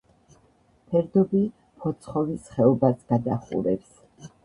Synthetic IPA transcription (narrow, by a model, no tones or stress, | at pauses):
pʰɛɾd̪ɔbi | pʰɔt̪sʰχɔvisχɛɔbasɡ̥ad̪aχṵɾɛps